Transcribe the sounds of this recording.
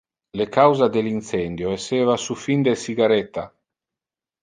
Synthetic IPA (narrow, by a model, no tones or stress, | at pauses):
lekawzad̪elint̪sɛnd̪joeseːvasufind̪esiɡaɾɛt̪ːa